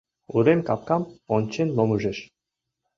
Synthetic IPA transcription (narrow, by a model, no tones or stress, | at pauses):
uɾemkɑp̚kɑmonʲt͡ɕenlomuʒĕʃ